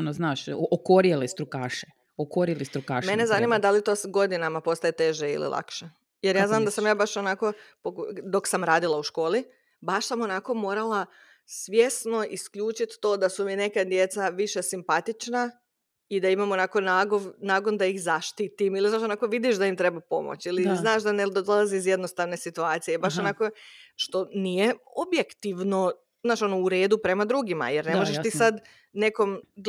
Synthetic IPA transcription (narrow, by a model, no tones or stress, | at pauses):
noznaːʃookoɾjelist̪ɾukaːʃe | okoɾjelist̪ɾukaʃmmenezanimad̪alit̪oːsɡo̞d̪inamapo̞st̪ajet̪e̞ʒeḭlḭlˠʔa̰kʃe | jeɾjaːznaːmd̪asamjaːbaʃonako̞pod̪o̞ksamɾaːd̪ilˠauʃko̞ːli | baʃsamo̞nako̞moːɾalˠa | sʋje̞sno̞ʔiskʎuːt͡ʃit̪ːo̞ːd̪asumine̞kad̪je̞t̪saʋiʃe̞simpat̪it͡ʃna | id̪aimamo̞naːko̞naːɡoʋnaːɡond̪aixzaʃt̪it̪imilizaʃo̞naːko̞ʋid̪iʃd̪aimt̪ɾe̞bapo̞̰mo̰t͡ɕiliznaːʃd̪aned̪od̪olˠaziːzje̞d̪no̞st̪aʋne̞sit̪uaːt̪sijebaʃonaːko̞ʃt̪onijeobjekt̪iʋno̞ | znaːʃo̞nouɾe̞ːd̪upɾemad̪ɾuɡima̰jeɾnemoʒeʃt̪isad̪ | ne̞ko̞m